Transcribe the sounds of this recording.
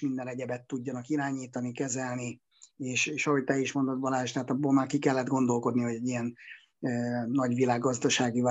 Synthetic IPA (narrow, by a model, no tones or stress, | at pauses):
mind̪ɛnɛɟɛbɛt̪ːuɟːɒnɒkiɾaːɲiːt̪ɒnikɛzɛlni | eːʃeːʃɒho̞ɟt̪ɛiʃmo̞nd̪ɒd̪bɒlaːʃt̪aɦːt̪ɒbːoːlmaːrkikɛlːɛd̪ɡo̞nd̪o̞lko̞d̪niho̞ɟɛɟːijɛn | øːɒɟʋilaːɡːɒzd̪ɒʃaːɡiv